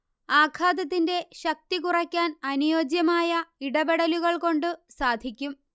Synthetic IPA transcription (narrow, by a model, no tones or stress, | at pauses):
aːkʰaːd̪ɐt̪̬ːinde̞ɕɐk̚t̪ikurɐkʲːaːnɐnujoːd͡ʑjɐmaːjɐiɽɐbeɽɐluɣɐɭko̞ɳɖɨsaːd̪ʱikʲːum